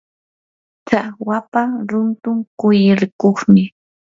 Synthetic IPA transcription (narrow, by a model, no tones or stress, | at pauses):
t͡sawapaɾʊnt̪ʊŋkʊjɪɾkoχmɪ